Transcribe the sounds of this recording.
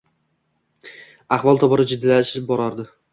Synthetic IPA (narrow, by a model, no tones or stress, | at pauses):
aχvɒlˠt̪ʰɒbɒɾɪd͡ʒɪd̪ːɪlaʃɪbɒɾɒɾd̪ɪ